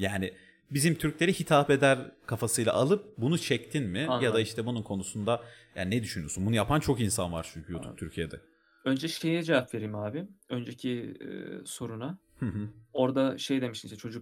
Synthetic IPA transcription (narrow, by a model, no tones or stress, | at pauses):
jaːnɪ | bizimt̪ʰyɾclʲe̞ɾihit̪ʰape̞d̪æɾkʰafasɯjlˠa̰ʔalˠɯp̚bunut͡ʃʰɛct̪ʰinmɪjad̪aiʃt̪ʰɛbununkʰo̞nusund̪a | ja̰ːnnɛd̪yʃynyosunbunujapʰant͡ʃʰo̞kinsanva̰ɾt͡ʃʰyɲcʰyjut̪ʰup̚t̪ʰyɾcʰijed̪ɛ̰ | ø̞nd͡ʒɛʃejɛd͡ʒevapve̞ɾimaːbɪønd͡ʒecʰḭ | so̞ɾuna | hɯ̃ɦɯ̃o̞ɾd̪aʃe̞jd̪e̞miʃiniʃɛt͡ʃʰo̞d͡ʒuk̚